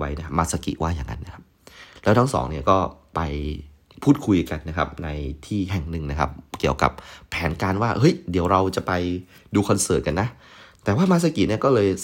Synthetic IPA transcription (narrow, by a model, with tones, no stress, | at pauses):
wa˦˥jna˦˥kʰa˦˥maː˧˥˩sa˧kḭ˨˩ʔwaː˥˩jaː˨˩ŋːa̰˧˥nːa˦˥kʰa˦˥p̚lɛː˦˥wt̪ʰa˥ŋsɔ̰ː˩˦ŋni˥˩ɐkɔː˥˩pa˧j | pʰuː˥˩t̪̚kʰu˧jka˧nːa˦˥kʰa˦˥p̚na˧jt̪ʰiː˥˩ɦɛ˨˩ŋnɯ˨˩ŋna˦˥kʰa̰˦˥p̚ki˨˩əwka̰˨˩p̚ʰːɛː˩˦nkaː˧nwaː˥˩ʔɤ˦˥jdi˨˩˦əwɾa˧wt͡ɕa˨˩pa˧j | duː˧kʰɔ˧nsɤː˨˩t̚ka˧nːa˦˥ | t̪ɛː˨˩waː˥˩maː˥˩t̚sa˧ki˨ʔni˥˩ɐkɔː˥˩lɤː˧j